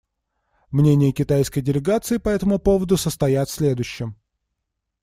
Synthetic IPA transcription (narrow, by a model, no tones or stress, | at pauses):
mnʲenʲɪjəkʲɪt̪ajskəjdʲɪlʲɪɡat̪sɨɪpɐɛt̪əmʊpo̞vəd̪ʊsəst̪ɐjat̪sʲlʲe̞d̪ʊɕːɪm